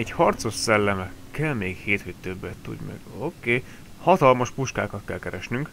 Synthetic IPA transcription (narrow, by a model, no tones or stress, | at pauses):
ɛɟhɒrt̪so̞ʃsɛlːɛmɛkɛlmeːkheːt̪høt̪øbːɛt̪ːṵd̪mɛ̰ɡ̥okeː | hɒt̪ɒlmɒʃpuʃka̰ːkɒt̪kɛlkɛɾɛʃnyŋk